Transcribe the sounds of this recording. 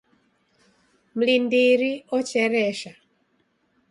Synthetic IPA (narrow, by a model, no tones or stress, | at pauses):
m̩lindiɾiɔt͡ʃɛɾɛʃa